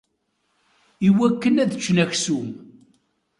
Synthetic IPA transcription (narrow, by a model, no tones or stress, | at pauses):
iwækːənæðət͡ʃːnæçsum